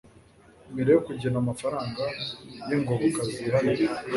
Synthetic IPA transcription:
miɾejokuɟenamafaɾaːŋɡajeŋɡoɡokaziɾaje

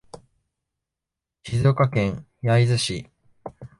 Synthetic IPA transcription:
çizokakẽ̞ɰ̃ | jaizɨɕi

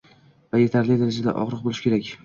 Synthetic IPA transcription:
vaje̞t̪ʰaɾlɪd̪aɾad͡ʒad̪a̰ʔɒ̰ʁɾɨq̚bolɪʃkʲe̞ɾakʲ

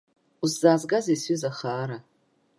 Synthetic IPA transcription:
uszaːzɡazasɥizaχaːɾa

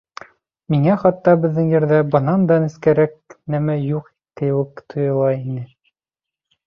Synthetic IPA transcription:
miŋæχɑt̪ːɑbɘ̆ðːɘŋjɘ̆ɾðæbɤ̆nɑnd̪ɑniskæɾæk̚næmæjuq | k̪ɘ̆wɘkt̪ʰŏjɤ̆lˠɑinɘ

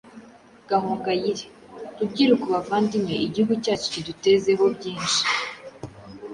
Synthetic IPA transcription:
ɡ̥ahuːŋɡajiɾe̥ | tub̚ɟiːɾukuβavaːndimŋe̞ʔiɟihuɡucaːt͡ʃo̥cidute̞ze̞ɦo̞bɟiːnʃi̥

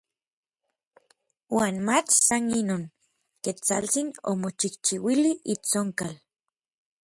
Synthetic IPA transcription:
waːnmat͡ʃsaninoːŋ | ket͡sa̰lt͡sino̰mot͡ʃiht͡ʃiwiliʔit͡soŋkal

